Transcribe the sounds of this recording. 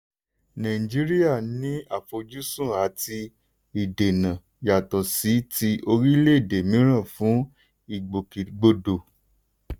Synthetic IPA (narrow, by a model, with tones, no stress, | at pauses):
nã˨ĩ˨d͡ʒi˦ɾi˦ja˦˨nĩ˨˦a˦˨fo˧d͡ʒu˦sũ˦˨a˨˦ti˧ | i˨de˨nã˨ | ja˨tɔ˨si˨˦ti˧ʔo˧ɾi˦le˦i˦˨de˨mĩ˨˦ɾ̃ã˦˨fũ˨˦ | i˦˨ɡ͡bo˨ki˨ɡ͡bo˧do˨